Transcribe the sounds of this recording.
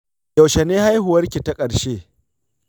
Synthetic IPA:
jɐ˨ʃɛ˨neː˦ha˦jɦʊ˨wɐ˦rkʲi˨ta˦kʼɐ˨ɽʃeː˦

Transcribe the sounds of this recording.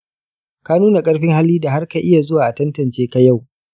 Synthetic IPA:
ka˦nuː˦na˨kʼɐ˦ɽɸɪ˦ŋha˦lːiː˦da˨ɦa˦rka˨ʔɪ˦ja˨zʊ˦waː˨ʔa˨tɐ˦ntɐ˨nt͡ʃeː˦ka˦ja˦˨w

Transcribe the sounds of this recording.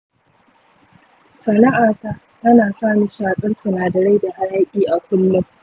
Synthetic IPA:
sɐ˨na˦ʔaː˨ta˦ | tɐ˦naː˨saː˦ni˦ʃaː˨kʼɐ˦nsʊ˨naː˨dɐ˨ɾa˦jda˨ha˦ɽaː˦kʲʼiː˦ʔa˨kʷʊ˦lːʊ˦m

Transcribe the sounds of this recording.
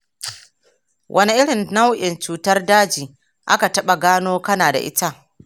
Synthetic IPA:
wʔɐ˦ni˦ʔɪ˦ɽɪ˨nna˦wʔɪ˨nt͡ʃuː˨tɐ˦rdaː˦d͡ʒiː˨ | ʔa̰˦ka˨tɐ˦ɓa˨ɡaː˦noː˦kɐ˦naː˨da̰˨ʔɪ̰˦ta˦

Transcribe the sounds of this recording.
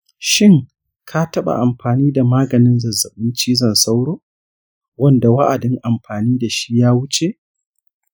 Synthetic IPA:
ʃɪ˦˨ŋ | kʰa˦tɐ˦ɓa̰˨ʔa˨mɸaː˨niː˦da˨maː˦ɡɐ˨nɪ˦nzɐ˨zːɐ˨ɓɪ˦nt͡ʃiː˦zɐ˦˨nsa˦wɽoː˦ | wɐ˦nda˨wa˦ʔa˨dɪ˦ŋʔa˨mɸaː˨niː˦da˨ʃi̥˦jaː˦wʊ˦t͡ʃe˨ʔ

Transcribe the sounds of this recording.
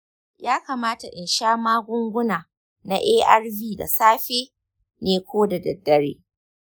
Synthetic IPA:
jaː˦kaː˨maː˦ta˨ʔɪ˨nʃaː˦maː˦ɡʷʊ˦ŋɡʷʊ˦naː˨ | na̰˦ʔeː˦ʔɐ˦rbiː˦da̰˨saː˦ɸeː˦ | neː˨kʷoː˦da˨dɐ˨dːɐ˦ɽḛː˦

